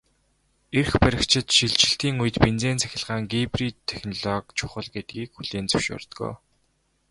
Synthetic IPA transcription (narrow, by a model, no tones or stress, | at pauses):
erxpæɾʲɪ̆kt͡ɕʰɪ̆t̪ʃiɮt͡ɕɪ̆ɬt̪iːŋujɘ̆t̪pent͡seːnt͡sʰæ̥xʲɪ̆ɮʁaːŋɡiprit̪ʰːexnɔɮɔkt͡ɕʰʊχə̆ɮɡet̪̚ɡiːkxuɮ̥eːnt͡sɵ̥wʃʊ̰ːrt̪ɡo̰ː